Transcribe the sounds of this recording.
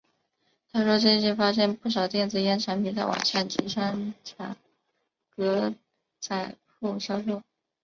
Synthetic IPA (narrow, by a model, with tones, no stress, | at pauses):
t̪ʰa˥ʂwɔ˥t͡ɕe˥˧t͡ɕy˥˩fa˥ʂjɛ˥npu˥˩ʂ̬ɑ˨˩ʊt̪jɛ˥˧nt͡sɹ̩˥˩jɛ˥nʈ͡ʂʰa˧˥npʰi˨˩nt͡sa˥˩wa̰˨˩nʂa˥˩nt͡ɕi˧˥ʂa˥nʈ͡ʂʰa̰˨˩ŋ | kɤ˧˥ | t͡sa˥˩ɪ | xu˥˩ɕjɑ˥ʊʂo˥˩ʊ